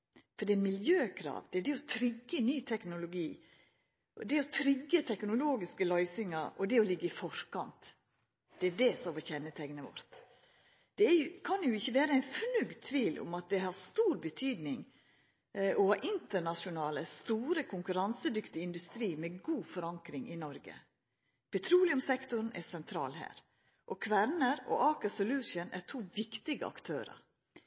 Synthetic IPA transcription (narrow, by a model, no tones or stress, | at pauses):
fɔɖ̪ɛmɪljøːkʰɾɑ̰ːʋd̪ɛæɖɛɔt̪ʰɾɪɡːənyːt̪ʰɛknʊlʊɡiː | d̪ɛɔt̪ʰɾɪɡːət̪ʰɛknʊloːɡɪskəlœʏsɪŋɑɾɔd̪ɛɔlɪɡːəɪfɔɾkɑnt̪ | d̪̥ɛæɖɛsɔmʋɔçɛnːət̪ʰɛŋnəʋɔ̰ɾt̪ | d̪̥ɛæjʊkʰɑnjʊɪçːəʋæːɾəæɪnfnʉɡd̪t̪ʰːʋiːlʔʊ̰mɑt̪̚d̪ɛɦɑɾst̪uːɾbət̪ʰyːd̪nɪŋ | ɔhɑːʔɪnt̪əɳɑʂʊnɑːləst̪uːɾəkʰʊŋkʉɾɑnsəd̪ʏkt̪ɪɪnd̪ʉst̪ɾiːmɛɡuːfɔɾɑŋkɾɪŋʔɪnɔɾɡə̰ | pʰɛt̪ʰɾuːlɪʊmsɛkt̪ʊɾnʔæsɛnt̪ʰɾɑ̰ːlhæ̰ːɾ | ʔɔkʰʋæɾnəɾɔ̰ʔɑːkəsɔlʉːʃənæ̰ɾtʰuːʋɪkt̪ɪɡə̰ɑ̰kt̪ʰøːɾə̰ɾ